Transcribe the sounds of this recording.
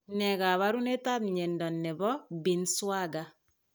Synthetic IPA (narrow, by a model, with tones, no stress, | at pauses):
nɛ˨ka˨βa˦ɾu˦ne˦ta˦bɲɛ˨ndɔ˨nːɛ˨bɔ˦bi˨nswa˦ɡa˨